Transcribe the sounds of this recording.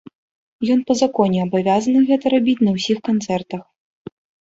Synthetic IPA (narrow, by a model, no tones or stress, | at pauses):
jɔnpɐzakɔnʲɛɐbavʲazɐnɨɣɛt̪ɐɾabʲit͡sʲnɐwsʲixkant̪sɛrt̪ɐx